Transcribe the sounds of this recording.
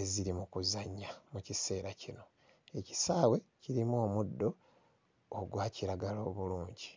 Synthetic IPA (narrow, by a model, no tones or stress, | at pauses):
eziɾimukuzaɲːamucise̞ːɾacino̞ | e̞ci̥saːwe̞ciɾimoːmudːo̞ː | ɡwaːciɾaɡalo̞ːβuluːɲɟi